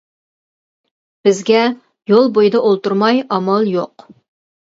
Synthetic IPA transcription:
b̥ɪzɡʲɛ | jolˠbojɨd̪ɑʔolˠt̪uɾmɑjɑmɑlˠjo̰q

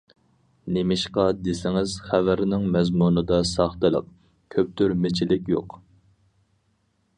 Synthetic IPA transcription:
nemɪʃqɑd̪esɪŋɪz̥χævæɾnɪŋmɛzmunɨd̪ɑsɑχt̪ɨlˠə̰q̚ | kʲʰøp̚t̪yɾmet͡ʃʰilɪkʲjo̰q

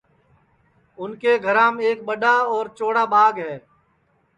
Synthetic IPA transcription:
ʊnkeːɡʱəɾãːmeːk̚ɓəɗaːɔːɾt͡ʃoːɽaːbaːɡɦɛː

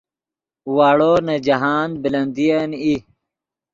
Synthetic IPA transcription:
waːɽoːnɐd͡ʑɐɦaːnbilɐnd̪ijani

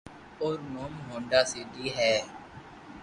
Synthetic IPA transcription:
oːɾnoːmɦõːɳɖaːsiːd̪iːɦɛː

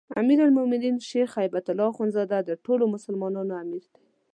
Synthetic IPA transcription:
a̰miɾalmʊmɪninʃeɾxajbat̪ʊlːɑxonzɑd̪ad̪əʈolomʊsəlmɑnɑnoamiɾd̪e̥

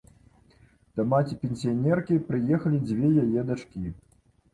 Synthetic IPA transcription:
t̪ɐmat͡sʲipʲenʲsʲijanʲɛrkʲipɾɨjɛxɐlʲid͡zʲvʲɛjajɛd̪at͡ʂkʲi

